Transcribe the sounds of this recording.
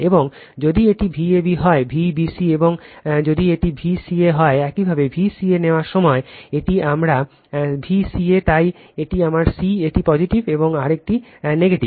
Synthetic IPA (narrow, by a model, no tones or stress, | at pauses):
eboŋ | d͡ʑod̪ieʈibʱiebiɦɔebʱibisieboŋd͡ʑod̪ieʈibʱisieɦɔeɛkibʱabebʱisieneoaɾʃɔmɔeeʈiʔamɾa | bʱisiet̪aj | eʈiamaɾsieʈipɔd͡ʑiʈibeboŋaɾek̚ʈineɡeʈib